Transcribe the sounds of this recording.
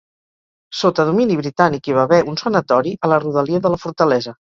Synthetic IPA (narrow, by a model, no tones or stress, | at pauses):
sot̪əðuminiβɾit̪anikiβaβɛʔunsənət̪ɔɾiʔələruðəliəðələfuɾt̪əlɛzə